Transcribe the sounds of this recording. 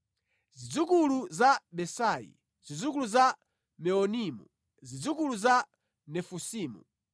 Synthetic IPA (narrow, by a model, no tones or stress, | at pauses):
zid͡zukuluzaɓɛsajḭ | zid͡zuk̬uluza | mɛɔnimṵ | zid͡zukuluza | nɛfusiːmṵ